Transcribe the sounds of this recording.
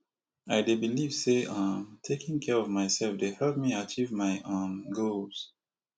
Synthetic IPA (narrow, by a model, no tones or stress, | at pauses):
aɪdebiliv̥seãmtʰekʰɪ̃ŋkʰɛɹɔvmaɪsɛlfdehɛlp̚miat͡ʃivmaɪʔõnɡolz̥